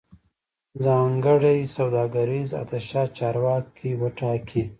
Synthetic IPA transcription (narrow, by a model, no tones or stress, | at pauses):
zɑːŋɡəɽajsawd̪ɑːɡaɾiza̰t̪aʃɑːt͡ʃɑːɾwɑːkʰːiwəʈɑːkʰi